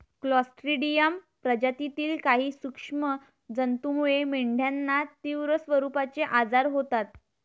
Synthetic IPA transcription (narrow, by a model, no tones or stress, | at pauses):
klɔsʈɾiɖijəm | pɾəd͡ʑat̪it̪iːlkaɦiːsukʂmə | d͡zənt̪umuɭemeɳɖʱjanːat̪iʋɾəsʋəɾupat͡seʔad͡zaɾɦot̪at̪